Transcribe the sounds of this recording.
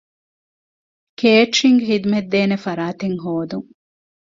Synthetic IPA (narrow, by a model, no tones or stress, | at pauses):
keːʈɾiŋɡɦid̪umed̪ːeːnefɐɾaːt̪eŋɦoːd̪uŋ